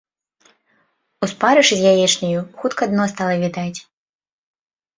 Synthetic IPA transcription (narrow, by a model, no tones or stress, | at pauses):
uspaɾɨʂɨzʲjajɛt͡ʂnʲɐjuxut̪kɐːd̪nɔst̪alˠɐvʲid̪at͡sʲ